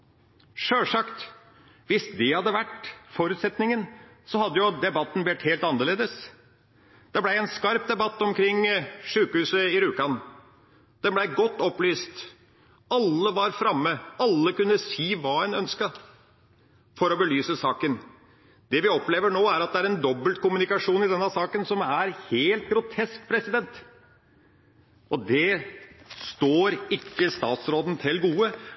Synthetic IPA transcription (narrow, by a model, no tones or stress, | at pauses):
ʂøːʂɑkt̪ | ʋɪsd̪ɛɪhɑd̪ːəʋæʈfɔɾʉːt̪sɛt̪nɪŋən | sɔhɑd̪ːəjʊd̪ɛbɑt̪ːn̩blɛʈ̪heːlt̪ɑnːəɭeːd̪əs | d̪̥ɛblæɪɛnskɑɾp̚d̪ɛbɑt̪ːɔmkʰɾɪŋʂʉːkəhʉːsəɪɾʉːkɑn | d̪̥ɛnblæɪɡɔt̪ːɔplyːst̪ | ɑlːəʋɑɾfɾɑmːəɑlːəkʉnːəsiːʋɑːɛnœnskə | fɔɾɔbəlyːsəsɑːkən | d̪ɛʋɪɔpleːʋəɳoːæɾɑt̪̚d̪ɛæɾɛnd̪ɔbːəlt̪̚kʊmʉnɪkɑʂuːnɪd̪ɛnːɑsɑːkənsɔmæɾheːlt̪̚ɡɾʊt̪ʰɛsk̚pʰɾɛsɪd̪ɛnt̪ | ʔɔd̪ɛ | st̪oːɾɪkːəst̪ɑːt̪sɾoːd̪n̩t̪ʰɪlɡuːə